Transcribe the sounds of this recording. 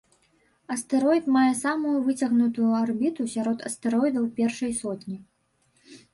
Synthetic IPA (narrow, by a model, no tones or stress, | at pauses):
ɐst̪ɛɾɔjt̪majɛsamujuvɨt͡sʲɐɣnut̪ujuarbʲit̪usʲaɾɔt̪ɐst̪ɛɾɔjd̪ɐwpʲɛrʂɐjsɔt̪ʲnʲi